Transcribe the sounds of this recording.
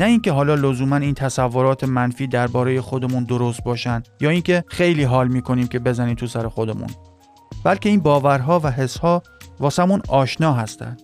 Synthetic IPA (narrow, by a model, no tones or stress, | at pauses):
næiːncʲeɦɒːlɒːlozuːmæniːnt̪ʰæsævːo̞ɾɒːt̪ʰe̞mænfiːd̪æɾbɒːɾe̞je̞xo̞d̪e̞muːnd̪o̞ɾost̪̚bɒːʃænd̪jɒːiːncʰe̞xe̞jliːɦɒːlmiːkʰo̞niːmcʲʰe̞be̞zæniːmt̪ʰusæɾe̞xo̞d̪e̞mṵn | bælcʲe̞iːnbɒːvæɾɦɒːvæɦe̞shɒː | vɒːsæmunɒːʃnɒːɦæst̪æ̰nd̪̥